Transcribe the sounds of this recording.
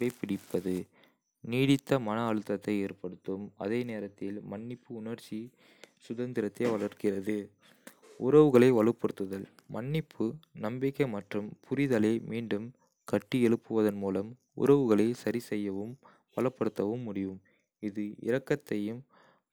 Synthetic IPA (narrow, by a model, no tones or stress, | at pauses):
ɐɪpːɪɽɪpːɐðɯ | niːɽɪt̪ːɐmɐnɐːɻɯt̪ːɐt̪ːɐɪeːrpɐɽɯt̪ːɯmɐ̰ðeːneːɾɐt̪ːɪlmɐɳːɪpːɯʊnɐɾt͡ʃːi | sʊðɐnd̪ɪɾɐt̪ːɐɪʋɐɭɐɾkɪrɐðɯ | ʊɾɐʋɯɣɐɭɐɪʋɐɭɯpːɐɽɯt̪ːɯðɐl | mɐɳːɪpʰːɯnɐmbɪkːɐɪmɐʈrɯmpʰʊɾɪðɐlɐɪmiːɳɖɯm | kɐʈːiɛɭɯpːɯʋɐðɐnmuːlɐm | ʊ̰ɾɐʋɯɣɐɭɐɪsɐɾisɛjːɐʋɯm | pɐlɐpːɐɽɯt̪ːɐʋɯmːʊɽɪʋɯm | ɪðɯɪ̰ɾɐkːɐt̪ːɐjɯm